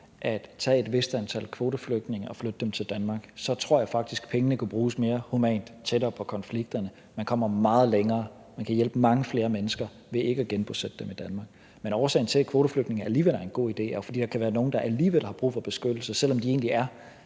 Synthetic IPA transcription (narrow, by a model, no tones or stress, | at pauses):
ʔæd̥t͡sʰɛ̰ːe̝d̥ʋe̝sd̥ænt͡sʰæl̰kʰʋo̝ːdəfløɡ̥d̥ne̝ŋɐɒ̽flød̥əd̥emt͡sʰe̝ld̥ænmɑ̈ːɡ̥sɒ̽t͡sʰʁ̥o̝ɐ̰jɑ̈ɪfɑ̈ɡ̥̚d̥isɡ̥pʰeŋənəkʰub̥ʁuːsme̝ːɐhumɛ̰ːnd̥t͡sʰeɾɐːpʰɒ̽kʰɒ̽nfliɡ̥̚d̥ɐnə | mænkʰɒ̽m̰ɐmɑ̈ːð̞̩ˠleŋɐː | mænkʰæjel̰b̥mɑ̈ŋəfle̝ːɐmenəsɡ̥ɐ | ʋe̝e̝ɡ̥əɡ̥enb̥osed̥əd̥emid̥ænmɑ̈ːɡ̥ | menɒːsɛ̰ɪn̩t͡sʰe̝lkʰʋo̝ːɾəfløɡ̥dne̝ŋ̩æɐæliːʋel̰æɐe̝nɡ̥o̝̰ːid̥e̝̰ːfɒd̥ḭːd̥ɑ̈kʰæʋæːɐno̝ːn̩d̥ɑ̈ʔæliːʋel̰hɑ̈b̥ʁṵːfɒ̽b̥e̝sɡ̥ød̥l̩sɐsel̰ɒ̽md̥ie̝̰ːnliæɐ